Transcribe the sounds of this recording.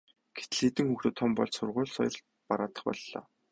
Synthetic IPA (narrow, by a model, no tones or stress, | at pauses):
ɡ̥e̥t̪ɘ̆ɮxet̪ɘ̆ŋxuxt̪ɘ̆t̪ʰːɔmpɔ̰ɮt͡ɕsʊrʁʊ̟ːɮsɔ̰jɞ̆r | paɾaːt̪ə̥̆χpɔ̰ɮːɔ̰ː